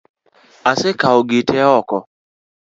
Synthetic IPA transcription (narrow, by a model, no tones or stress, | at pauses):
asekaoɡetʰɛɔkɔ